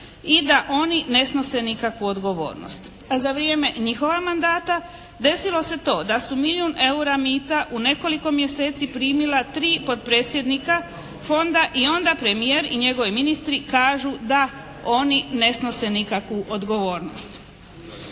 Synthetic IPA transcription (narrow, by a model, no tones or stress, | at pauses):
id̪aʔo̞nine̞sno̞se̞nikakʋuod̪ɡo̞ʋo̞̰ːɾno̰st̪ | azaʋɾije̞me̞ɲixo̞ʋamand̪aːt̪a | d̪e̞silo̞se̞t̪o̞ːd̪asumiliune̞uɾamiːt̪aʔune̞ko̞liko̞mje̞se̞ːt̪sipɾiːmilat̪ɾiːpo̞d̪̚pɾeːt̪sʲje̞d̪nika | fo̞nd̪aʔio̞nd̪apɾe̞mijeːɾiɲe̞ɡo̞ʋiminist̪ɾikaːʒud̪a | o̞nine̞sno̞se̞nikakʋuʔod̪ɡo̞ʋo̞ːɾno̞̰st̪